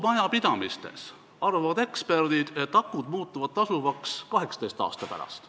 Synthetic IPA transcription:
mɑjɑpid̪̥ɑmist̪e̞̰s | ɑrvɑvɑd̪e̞kspe̞rd̪̥id̪̥et̪ːɑkːˑud̪̥muːt̪ːˑuvɑd̪̥t̪ɑsuvɑkskɑɦe̞ksɑ̥t̪ejst̪ɑ̰ːst̪ɑpæ̰ɾɑ̰st̪

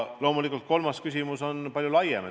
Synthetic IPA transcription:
lo̞ːmulikːˑult̪̚ko̞lmɑskysʲimuso̞npɑlʲjulɑjenɑ

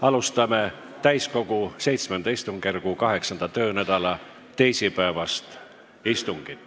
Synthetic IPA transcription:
ɑlust̪ɑme̞ | t̪æjsko̞ɡ̥use̞jt̪smend̪ɑist̪uŋɡ̥erɡukɑɦe̞ksɑnd̪̥ɑt̪ø̞ːnæd̪̥ɑlɑ | t̪ːe̞jsipæevɑst̪ | ist̪uŋɡ̥it̪ːˑ

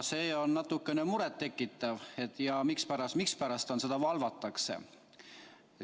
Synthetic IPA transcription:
se̞ːo̞nnɑt̪ːˑukːene̞muɾet̪ːe̞kːˑit̪ːˑɑve̞t̪ːˑjɑmikspæɾɑsmikspæɾɑst̪onse̞d̪̥ɑvɑlvɑt̪ːˑɑkse̞̰

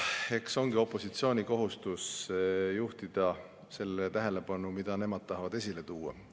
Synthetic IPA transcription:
e̞kso̞ŋɡ̥io̞pːˑo̞sit̪sio̞ːnʲiko̞ɦust̪usjuht̪id̪̥ɑ | se̞lːet̪æɦe̞le̞pɑnumid̪̥ɑne̞mɑd̪̥̚t̪ɑɦɑvɑd̪̥e̞s̬ʲile̞t̪uːɑ̰

